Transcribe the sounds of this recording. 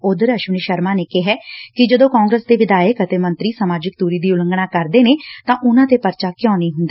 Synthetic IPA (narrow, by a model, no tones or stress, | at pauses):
ʊd̪əɾəʃəneːʃəɾmãːneːkeɦɛːkɪd͡ʒəd̪õːkãːŋɡɾəːsd̪eːʋɪd̪aːjəkət̪eːmə̃nt̪ɾiːsəmaːd͡ʒɪk̚d̪uːɾiːd̪iːʊləŋɡɽaːkəɾd̪eːneːt̪ãːʔʊnãːt̪eːpəɾt͡ʃaːkjãːniːɦʊ̃nd̪aː